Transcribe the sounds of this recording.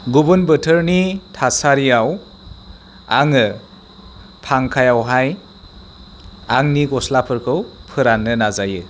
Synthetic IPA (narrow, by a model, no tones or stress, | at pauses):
ɡubɯnbɯtʰɯɾnitʰasaɾijaw | a̰ŋɯ | pʰaŋkʰajawɦaj | aŋniɡɔslapʰɯɾkʰɯwpʰɯɾanːɯnazajɯ